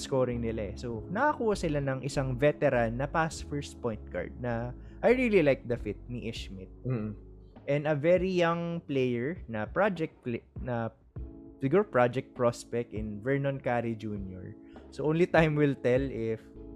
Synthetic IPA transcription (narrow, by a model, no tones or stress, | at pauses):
skoːɾɪŋnɪlaɛsonɐkɐkuːhɐsɪlanɐŋʔɪsaŋvɛt̪ɛɾanːɐpasfɛɹst̪pɔjnt̪̚ka̰ɹd̪̚nɐ | ʔajɹililajk̚d̪ɐfɪt̪̚niʔɪʃmɪt̪̩̚ː | ʔɛ̃nd̪ɐvɛɾijaŋplejɛɹnɐpɹad͡ʒɛk̚t̪̚plnɐ | sɪɡuɹɐpɹad͡ʒɛk̚t̪̚pɹospɛk̚t̪ɪnvɛɹnonkaɾid͡ʒunjɔ̰ɹsoʔõːnlit̪ajmwɪlt̪ɛlɪf